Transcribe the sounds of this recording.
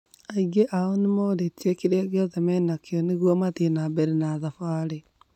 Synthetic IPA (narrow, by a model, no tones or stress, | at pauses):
aiɣeʔaonemooɾetiɛkeɾaɣeɔðɛmɛnakeɔneɣwɔmat̪ienabɛɾenaːðafaːɾe